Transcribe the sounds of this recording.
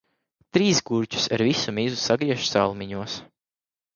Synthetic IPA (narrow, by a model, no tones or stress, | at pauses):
t̪ɾiːsɡuɾʲt͡ʃu̥saɾvisumizusaɡɾiɛʃsalˠmiɲuɔs